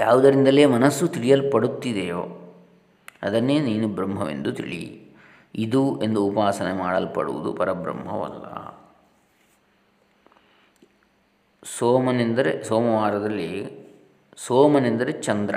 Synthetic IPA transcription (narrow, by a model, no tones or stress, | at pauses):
jaːʋɐd̪ɐɾind̪ɐle̞ːmɐnɐsːut̪iɭijɐlpɐɽut̪ːid̪ejoː | ɐd̪ɐnːe̞ːniːnubɾɐmɦɐʋe̞̰nd̪ut̪ḭɭḭ | id̪ue̞nd̪uːpaːsɐnemaːɽɐlpɐ̰ɽṵʋṵd̪ṵpɐɾɐbɾɐ̰mɦɐʋɐ̰lːɐ̰ | soːmɐnend̪ɐɾesoːmɐʋaːɾɐd̪ɐlːi | soːmɐnend̪ɐɾet͡ʃɐnd̪ɾɐ̰